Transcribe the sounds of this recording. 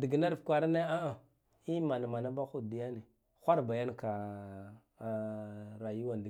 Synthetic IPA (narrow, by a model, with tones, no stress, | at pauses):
di˨ɡna˦ɾfkʷa˨ɾa˦na˦a˦a˨ | i˦ma˨na˨ma˨na˦ba˦xu˦˨di˨ja˦ne˨ | xʷa˦ɾba˨ja˦nka˨ | ɾa˨ju˦wa˨nd